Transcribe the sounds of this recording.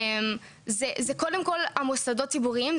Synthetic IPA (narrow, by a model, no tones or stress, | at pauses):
m | zezeko̞de̞mko̞lamusadot̚ːibuʁiim